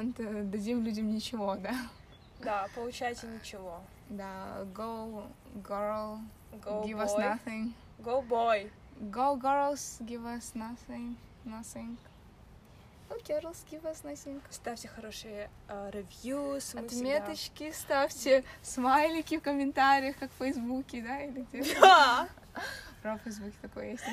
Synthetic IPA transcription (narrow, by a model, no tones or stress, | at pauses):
nt̪əd̪ɐdʲimlʲudʲəmnʲɪt͡ɕɪvod̪a | d̪apəlˠʊt͡ɕæjtʲɪnʲɪt͡ɕɪvo | d̪aɡow | ɡoɾlˠ | ɡoivasnjaθɪŋ | ɡowboj | ɡowɡoɾlˠsɡʲivɐsnaθɪŋ | nasɪŋk | okʲeɾlˠsɡʲivasnɐsʲɪŋkst̪afʲtʲɪxɐɾoʂɨjə | ɾʲɪvjusmɐt̪mʲet̪ət͡ɕkʲɪst̪afʲtʲɪsmajlʲɪkʲɪfkəmʲɪnt̪aɾʲɪjəxkakfəjzbukʲɪd̪ailʲɪtʲia | pɾafəjzbukʲɪ̥t̪ɐkojə̰jesʲt̪ʲ